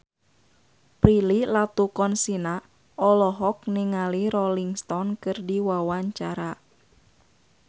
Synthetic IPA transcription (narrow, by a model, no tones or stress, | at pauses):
pɾililat̪ukɔnsina | ʔɔlɔɦɔk̚niŋaliɾɔliŋst̪ɔnkɨrdiwawaɲt͡ʃaɾa